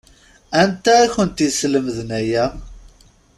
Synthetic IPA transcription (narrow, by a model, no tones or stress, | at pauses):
ænt̪æːçənt̪isləməðnæjæ